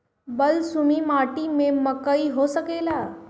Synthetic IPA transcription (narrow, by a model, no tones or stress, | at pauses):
bɐlsʊnimaːʈimẽmɐkəiɦoːsəkeːlaː